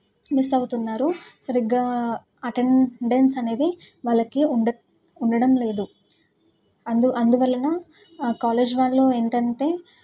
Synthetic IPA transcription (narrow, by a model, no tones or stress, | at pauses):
misɐwut̪unːaːɾusɐɾiɡaː | ɐʈeɳɖensɐne̞ːd̪i | ʋaːlːɐkiɳɖɐ | uɳɖɐɽɐmle̞ːd̪u | ɐnd̪uʔɐnd̪uʋɐlːɐnɐ | kaːle̞ːd͡ʒʋaːɭːoːe̞ːɳʈɐɳʈe̞ː